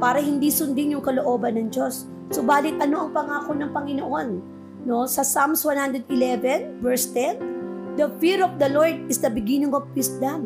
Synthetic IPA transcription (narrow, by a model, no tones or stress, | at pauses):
paːɾɐhɪnd̪isʊnd̪ɪnjʊŋkɐloʔo̞ːbɐnːɐŋd͡ʒo̞sː | obaːlɪt̪̚ʔɐno̞ʔɐŋpɐŋaːkonɐŋpɐŋɪnoʔo̞nː | o̞sɐsamswanhand̪ɾɛd̪ɪlɛvɛnvɛɹst̪ɛnd̪ɐfiɹɔfd̪ɐloɹd̪̚ɪsd̪ɐbɪɡinɪŋofpisd̪ɐm